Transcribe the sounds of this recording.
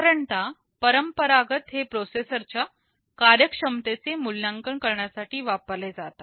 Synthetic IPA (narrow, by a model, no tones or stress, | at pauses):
ɾəɳt̪a | pəɾəmpəɾaɡət̪ɦepɾosesəɾt͡ɕja | kaɾjəkʂəmt̪et͡semulːjãŋkəɳkəɾɳjasaʈiːʋapəɾled͡zat̪a